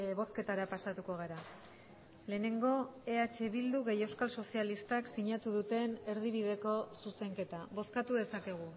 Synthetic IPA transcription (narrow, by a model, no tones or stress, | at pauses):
βo̞ske̞t̪aɾapasat̪uko̞ɣ̞eɾa | le̞ːne̞ŋɡo̞e̞at͡ʃe̞βild̪uɣe̞je̞wskalso̞sialist̪aksiɲat̪uðut̪e̞ne̞ɾðiβ̞iðe̞ko̞suse̞ŋke̞t̪aβo̞skat̪uðe̞sakeɣ̞u